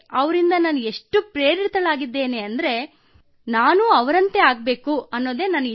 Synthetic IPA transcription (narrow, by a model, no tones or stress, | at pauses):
ɐʋɾind̪ɐnaːneʂʈːupɾeːɾit̪ɐɭaːɡid̪ːe̞ːneɐnd̪ɐɾe̞ | naːnuɐʋɐɾɐnt̪e̞aːɡbe̞ːkuɐnːo̞ːd̪e̞ːnaːni